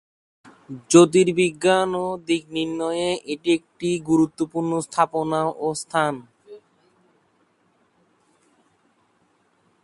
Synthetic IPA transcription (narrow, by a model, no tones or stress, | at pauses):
d͡ʑot̪̬iɾbiɡːanod̪ik̚ninːɔjeʔeʈiek̚ʈiɡuɾut̪ːopuɾnost̪ʰaponaʔost̪ʰan